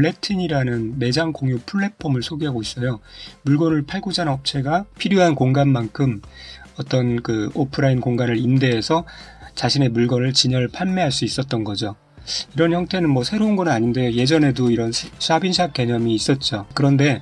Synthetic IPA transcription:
ɭːe̞tʰiɲiɾanɯnme̞d͡ʑaŋkoŋjupʰuɭːe̞pʰʌmɯɭsʰoɡiɦaɡois͈ʌjomuɭɡʌnɯɭpʰaɭɡud͡ʑanʌp̚t͡ɕʰe̞ɡapʰiɾjoɦankoŋɡanmankʰɯmʌt͈ʌnkɯopʰɯɾainkoŋɡanɯɾimde̞ːsʰʌt͡ɕaɕʰine̞muɭɡʌnɯɭt͡ɕiɲʌɭpʰaɭmeɦaɭs͈uis͈ʌt̚t͈ʌnɡʌd͡ʑo | iɾʌnçjʌŋt͈ʰe̞nɯnmwʌsʰe̞ɾounɡʌnɯnaɲinde̞joje̞d͡ʑʌne̞doiɾʌnsʰsʰabinsʰak̚k͈e̞ɲʌmiːs͈ʌt̚t͡ɕ͈okɯɾʌnde̞

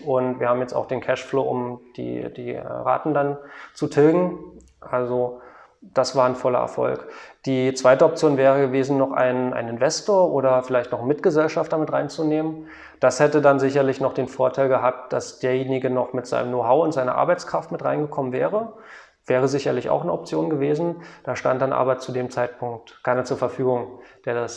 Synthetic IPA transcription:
ʔʊntviːɐhaːbm̩jɛt͡sta̰ʊd̥eːnkʰɛʃflo̰ːʔʊmd̥ḭːd̥ḭːʁa̰ːtn̩dant͡sutʰɪlɡŋ̩ | ʔalzo | d̥asv̥aːɐnfɔlɐ̰ʔɛ̰ɐfɔ̰lkd̥iːt͡sv̥aɪtəɔp̚t͡sjoːnvɛːʁ̞əɡəveːzn̩nɔχʔa̰ɪnʔa̰ɪnɪnvɛstoːɐʔoːɾɐfɪlaɪçtnɔχmɪtɡ̥əzɛlʃaftd̥amɪtʁa̰ɪnt͡suneːmən | d̥ashɛtədanzɪçɐlɪçnɔχd̥eːnfoːɐtʰaɪlɡəɦaːp̚t̚d̥asd̥eːɐjeːnɪɡənɔχmɪtz̥a̰ɪnəmnoːɦaʊʊntz̥aɪnɐ̰ʔa̰ɐbaɪt͡skʁ̥aftmɪtʁaɪnɡəkʰɔmənvɛ̰ːʁə | v̥ɛːʁəzɪçɐlɪça̰ʊxnəɔp̚t͡sjoːnɡəveːzn̩d̥aːʃta̰ntd̥anʔa̰ːbɐt͡sudeːmt͡saɪt̚pʰʊŋk̚tkʰaɪnɐt͡suːɐfɛɐfyːɡʊŋd̥eːɐdas

